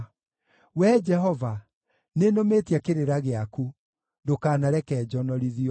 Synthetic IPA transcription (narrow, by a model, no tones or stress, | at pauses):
wɛd͡ʒɛɦɔva | nenometjakeɾeɾaɣeaku | ndokaːnaɾɛkɛːd͡ʒɔnɔɾiðiɔ